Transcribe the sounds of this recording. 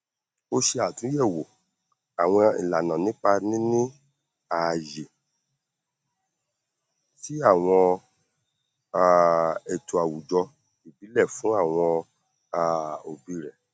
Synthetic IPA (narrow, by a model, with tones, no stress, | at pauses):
o˧ʃe˧a˨tũ˨˦jɛ˦˨wo˨ | a˨w̃ɔ̃˧ḭ˨la˨nã˨nĩ˨˦k͡pa˧nĩ˦nĩ˦ | a˨je˨ | ti˦a˦˨w̃ɔ̃˧ | a˨ɛ˨tu˨a˨wu˨d͡ʒɔ˧ | i˨bi˨˦lɛ˦˨fũ˨˦a˦˨w̃ɔ̃˧ | a˨o˨bi˨˦ɾɛ˨